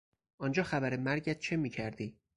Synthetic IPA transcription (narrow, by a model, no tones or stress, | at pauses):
ʔɒːnd͡ʒɒːxæbæɾemæɾɟæt̪̚t͡ʃʰe̞miːcʰæɾd̪iː